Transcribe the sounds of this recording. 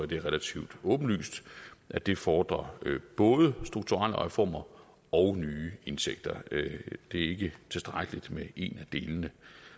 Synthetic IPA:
æd̥e̝ʁɛlæt͡sʰiʊd̥ɔ̽ːb̥n̩ly̰ːsd̥ʔæd̥e̝fɒːd̥ʁɐ̰b̥ɔ̽ːð̞ˠəsd̥ʁuɡ̥̚t͡sʰuʁal̰əʁɛfɒ̰ːmɐ | ɒ̽ʊnyːe̝nseɡ̥̚d̥ɐd̥e̝æɐe̝ɡ̥ət͡sʰe̝sd̥ʁaɡ̥əlid̥meʔe̝næd̥e̝ːlənə

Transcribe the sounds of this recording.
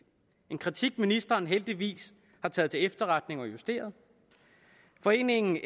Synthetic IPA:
e̝nkʰʁit͡sʰiɡ̥minisd̥ɐːnɦeld̥iʋḭːs | hɑ̈t͡sʰɛ̰ːðˠt͡sʰe̝efd̥ɐʁad̥ne̝ŋɒ̽jusd̥e̝̰ːɐð̞̩ˠ | fɒ̽e̝̰ːne̝ŋn̩

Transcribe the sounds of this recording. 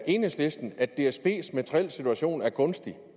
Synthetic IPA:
ʔe̝ːnəsle̝sd̥n̩æd̥ːe̝ːsb̥ʰe̝̰ːsmæt͡sʰʁiel̰sit͡sʰuæɕo̝̰ːnæɐkʰɔ̽nsd̥i

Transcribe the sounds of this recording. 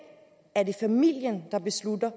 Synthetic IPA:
æɐd̥efæmil̰jənd̥ɑ̈b̥e̝slud̥ɐ

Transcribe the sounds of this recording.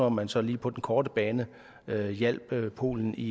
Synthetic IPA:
ɐɒmːænsɒ̽liːpʰɒ̽d̥enkʰɒːd̥əb̥ɛːnə | øjel̰b̥pʰo̝̰ːln̩i

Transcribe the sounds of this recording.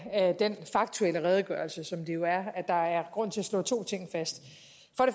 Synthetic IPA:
d̥enfɑ̈ɡ̥̚t͡sʰuel̰əʁɛːð̞ˠɡ̥ɶɐlsəsɒ̽md̥ejo̝æɐæd̥ɑ̈æɐɡ̥ʁɔ̽n̰t͡sʰe̝læslɔ̰ːt͡sʰo̝̰ːt͡sʰe̝ŋ̰fæsd̥ | fɒ̽ɾ̥e̝

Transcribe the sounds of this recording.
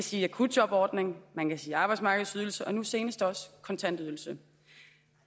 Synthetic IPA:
æsiːækʰud̥̚ɒ̽b̥ɒːd̥ne̝ŋmænkæsiːɑ̈ːb̥ɑ̈ɪ̥smɑ̈ːɡ̥ð̩ˠsyð̞ˠl̩səʔɒ̽nuse̝ːnəsd̥ɒ̽skʰɒ̽nt͡sʰæn̰d̥yðˠl̩sə

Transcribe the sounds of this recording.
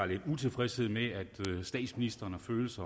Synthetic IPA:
ɑle̝d̥ut͡sʰe̝lfʁɛshe̝ð̞̰ˠmeæd̥sd̥ɛ̰ːd̥sminisd̥ʁɐnhɑ̈føːl̩sɐ

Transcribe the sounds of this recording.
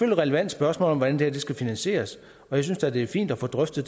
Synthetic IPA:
føl̰ʁɛləʋæn̰d̥sb̥ɶɐsmɔ̰lɒ̽mʋɒdænd̥ehæɐdesɡ̥æfinænɕe̝̰ːɐs | ɒ̽jäɪsynsd̥æd̥e̝fḭːnd̥æfɔ̰̽ːd̥ʁœfd̥ð̩ˠ

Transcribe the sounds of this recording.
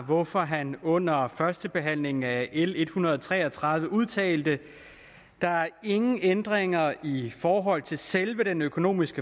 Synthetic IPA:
ʋɒfɒ̽ɦænɔ̽n̰ɐfɶɐsd̥əb̥e̝ɦæn̰le̝ŋŋ̩æʔele̝d̥hunɐð̞ˠɒt͡sʰʁɛ̰ːɒt͡sʰʁɑ̈ð̞ˠʋəʔuð̞̰ˠt͡sʰɛ̰ːld̥ə | d̥ɑ̈æɐe̝ŋn̩end̥ʁeŋɐifɒːɦɒ̽l̰t͡sʰe̝lselʋəɾ̥enøkʰo̝no̝̰ːmisɡ̥ə

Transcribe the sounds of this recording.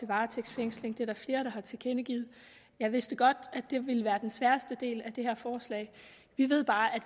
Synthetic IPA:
e̝ʋɑ̈ːt͡sʰeɡ̥sfeŋ̰sle̝ŋd̥e̝æɾæɐfle̝ːɐɾ̥ɑ̈hɑ̈t͡sʰe̝kʰenəɡ̥ḭːð̩ˠ | jɑ̈ɪʋe̝sd̥əɡ̥ɒ̽d̥ædd̥e̝ʋe̝ləʋæːɐd̥ensʋæɐsd̥əd̥e̝̰ːlæd̥e̝hæɐfɒːslɛ̰ːɪ | ʋiʋe̝ð̞̰ˠb̥ɑ̈ːʔæd

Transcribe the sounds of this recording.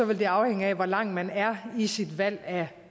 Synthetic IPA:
ɒ̽ʋe̝ld̥e̝ɑ̈ʊheŋ̰əæʋɒlɑ̈ŋ̰mænæɐisid̥ʋæl̰æ

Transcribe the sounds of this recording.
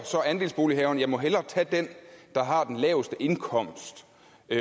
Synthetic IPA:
sɒ̽ænd̥e̝ːlsb̥o̝ːliɦɛːʊn̩jɑ̈ɪmɒ̽ɦelɐt͡sʰɛd̥end̥ɑ̈ɦɑ̈d̥enlɛːʊsd̥əʔe̝nkʰɒ̽m̰sd̥

